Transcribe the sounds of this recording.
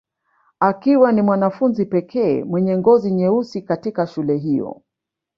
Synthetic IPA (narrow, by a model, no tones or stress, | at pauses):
akiwanimwanafunzipɛkʰɛːmwɛɲɛŋɡɔziɲɛusikatikaʃulɛɦijɔ̰